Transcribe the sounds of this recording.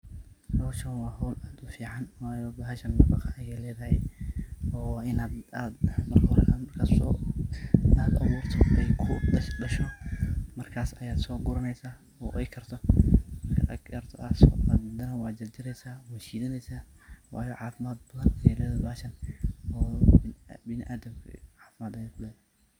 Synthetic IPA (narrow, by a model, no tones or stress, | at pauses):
dɔwʃɐnwɑːɦɔwlaːd̪ʊfiːʕɑnwɑːjɔbaːɦɐʃɐnmɐbɑqɐɐjɛːlɛːðɐhɛ̰j | ɔːɪnaːd̪aːd̪mɐrkʰɐwɾɐkʰamɐrkʰaːsɔ̰ː | aːd̪ɐ̰βuːrt̪ʰɔɛjkʰʊɖɐʃɖɐʃɔmɐrkʰaːsɐjaːd̪sɔːɡʊɾɐnɛjsaː | ɔːʔɛjkʰɐrt̪ʰɔmɐrkʰɐ̰ʔɐ̰ɡɐrt̪ʰɔʔasɔ̰a̰d̪mɐd̪ɐnɐwɑːd͡ʒɐd͡ʒɪɾɛjsaːwaːt͡ʃiːðɐnɛjsaː | wɑ̰ːjɔʕɑːfɪmaːd̪̚bɐðɐnɐjɛlɛːðɐaːʃɐnɔː | bɪnɪʔaːd̪ɐmkʰɐ̰ʕɑːfɪmaːd̪ɐjɛkʰʊlɛːðɐhɛ